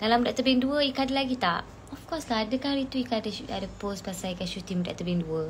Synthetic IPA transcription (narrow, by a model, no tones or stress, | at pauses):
d̥alamədaʔt̪əbɪŋduəikadəlaɡit̪aʔ | ɔfkɔslaɦadəkaɾit̪uikadəadəpospasajikaʃut̪iməda̰ʔt̪əbɪŋduə